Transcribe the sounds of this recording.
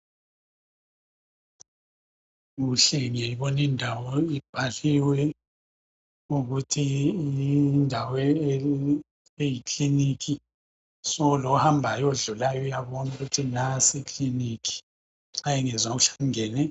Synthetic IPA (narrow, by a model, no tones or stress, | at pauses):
ɣuɬɛŋejiβɔnindʱawɔib̥ʱaliwɛ | uɣutʰiindʱawɛ | ejikʼlinik̬ʰʼi | sɔlouhambʱajoɮulajɔujaβɔnuɣutʰinasekʼlinikʰʼi̥ | ŋ͡ǀajɛŋɛzaɣuɬḁŋɛːnɛ